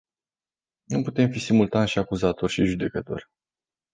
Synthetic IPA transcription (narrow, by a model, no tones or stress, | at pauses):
nuput̪e̞mfisimult̪anʃiakuzat̪o̞rʲʃiʒud̪e̞kət̪o̞̰rʲ